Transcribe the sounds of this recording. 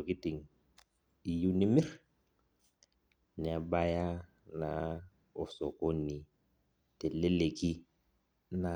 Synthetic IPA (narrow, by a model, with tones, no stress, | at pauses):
o˨kɪ˦tɪ˨ŋ̩ | i˨ju˦nɪ˦mɪ˦r | n˨a˨ba˦ja˦ | na˨ | ʊ˨sɔ˨ko˦ni˨ | tɪ˨le˦le˨ki˦ | na˨